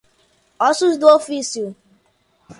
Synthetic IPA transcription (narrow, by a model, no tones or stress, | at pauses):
ɔsusduofisiu